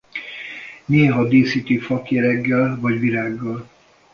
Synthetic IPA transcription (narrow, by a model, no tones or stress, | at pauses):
neːɦɒd̪eːsit̪ifɒkjɛɾɛɡːɛlvɒɟʋiɾaːɡːɒl